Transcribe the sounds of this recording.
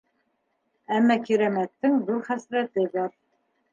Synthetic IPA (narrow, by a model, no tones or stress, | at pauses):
æmːækiɾæmæt̪ːɘŋðuɾχæsɾæt̪ɘβɑɾ